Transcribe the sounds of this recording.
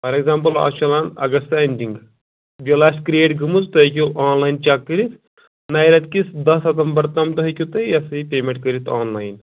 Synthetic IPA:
fɐɾeɡzaːmpɐla̰ːt͡ʃɐlaːnɐ̰ɡɐst̪aːnʲdiŋɡ | ʋilaːskɾijeːʈɡɨmuzt̪ɐkʲuʔaːnlaːjnt͡ʃaːkːəɾit̪ | naːjɾɐt̪̚kʲisd̪ɐsɐt̪ɐmbɐɾt̪ɐmt̪ɐɦɐkʲut̪ɐjɐsɐipʲeːmeɳʈkɐɾit̪ʰaːnlaːjn

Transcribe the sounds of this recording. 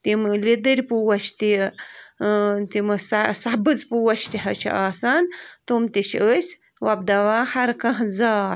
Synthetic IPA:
t̪imlid̪ɨɾʲpuwɐt͡ʃʰt̪i | t̪imɨssɐbɨzpuwɐt͡ʃʰt̪iɦɐt͡ʃʰḭʔaːsant̪umt̪iʃəsʲ | wɐb̚d̪ɐwahɐɾkɐ̃ɦzaː

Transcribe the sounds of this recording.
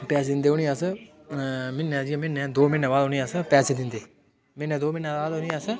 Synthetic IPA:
pɛːsd̪ɪnd̪eːɦonĩːas | mɪnːɛd͡ʒĩmɪnːɛ̃ːd̪oːmɪnɛ̃ːbaːd̪ɦʊːnĩaspɛːsd̪ɪnd̪eː | mɪnːɛ̃ːd̪oːmɪnãːaːd̪onĩas

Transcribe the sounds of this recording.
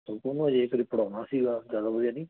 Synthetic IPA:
okonũːad͡ʒeːkəɾiːpəɽaːnaːsiːɡaːzjaːd̪aːbəd̪ijaːnĩː

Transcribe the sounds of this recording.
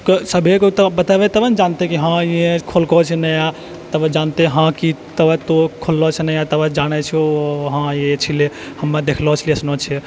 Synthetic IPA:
ksəbʱekot̪bət̪abet̪əbənd͡ʒant̪ekiɦãiẽkʰolkɔt͡ʃʰɛnəja | t̪əbəd͡ʒant̪eɦãkit̪əbt̪okʰolːɔt͡ʃʰɛnəjat̪əbəd͡ʒañɛt͡ʃʰɦãet͡ʃʰile | həmːad̪ekʰlɔt͡ʃʰileəsnot͡ʃʰɛ

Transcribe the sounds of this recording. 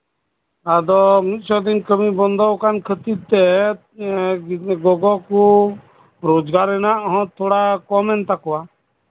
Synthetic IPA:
ad̪ɔmit̪̚ˀsɔd̪inkəmibɔnd̪ɔwkankʰət̪id̪̚t̪ɛ | ɡɔɡɔku | ɾod͡ʒɡaɾɛnaʔɦɔ̃t̪ʰoɽakɔmɛnt̪akɔwa

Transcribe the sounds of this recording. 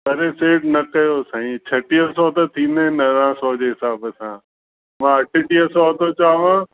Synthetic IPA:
pɐɾeseːʈnɐkɐjosaːĩt͡ɕʰɐʈiəsɔt̪ɐt̪ʰĩːnd̪eẽnɐɾãːsɔːd͡ʑeːɦɪsaːbəsã̰ː | mãːɐʈʰɪʈiəsɔːt̪ot͡ɕaːʋãː

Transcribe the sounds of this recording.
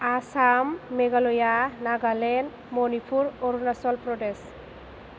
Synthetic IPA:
asamːeɡalɔjanaɡalen | mɔnipʰuɾɔɾunasɔlpɾɔʈes

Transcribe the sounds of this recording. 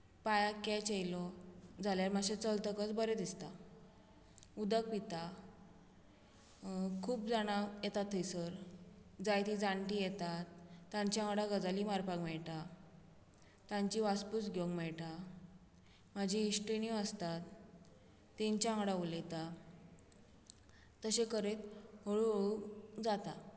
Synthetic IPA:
pajakɛt͡ɕejlɔd͡zʱaljaɾmaɕẽt͡səlt̪əkət͡sbəɾed̪ist̪a | ud̪ək̚pit̪a | kʰuːp̚d͡zaɽ̃ajet̪at̪ʰːəjsəɾd͡zajt̪id͡zaɳʈijet̪at̪ːãɲt͡ɕaãŋɽaɡəd͡zalimaɾpãɡmɛɭʈa | t̪ãɲt͡ɕiʋaspusɡjoŋɡmɛɭʈa | mad͡ʑiːɕʈeniəst̪at̪ː | eɲt͡ɕaãŋɽaulet̪a | t̪ːəɕekəɾet̪ɦoɭuɦoɭud͡zat̪a

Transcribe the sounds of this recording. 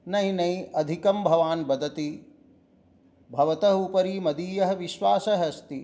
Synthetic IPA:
nɐjnɐjʔɐd̪ʱikɐmbʱɐʋaːnbɐd̪ʱɐt̪i | bʱɐʋɐt̪ɐɦupɐɾiːmɐd̪iːjɐɦɐʋiʃʋaːsɐɦɐst̪i

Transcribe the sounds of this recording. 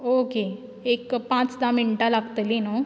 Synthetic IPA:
oke | ekpãt͡sd̪amiɳʈalaɡt̪əlino

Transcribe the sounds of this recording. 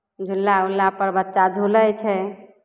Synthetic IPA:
d͡ʒʱulːaulːapəɾbətːʃad̪ʱuləjt͡ʃʰɛ

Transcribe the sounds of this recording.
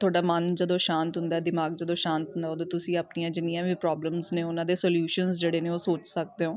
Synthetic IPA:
t̪ʰʊoaːɖaːmənd͡ʒəd̪õːʃãːnt̪ɦʊ̃nd̪aːd̪ɪmaːɡ̚d͡ʒəd̪õːʃãːnt̪ɦʊ̃nd̪aːoːd̪õːt̪ʊsĩːəpnijãːd͡ʒɪnijãːʋiːpɾɔːbləmzneːʊnãːd̪eːsəljuːʃənzd͡ʒeːɽeːneːoːsoːt͡ʃsək̚d̪eːɦoː

